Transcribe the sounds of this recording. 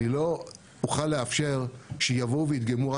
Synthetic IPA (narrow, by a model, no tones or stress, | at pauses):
ilo̞ | uχalːeafʃe̞ʁʃejavo̞wveit̪̚ɡamuʁa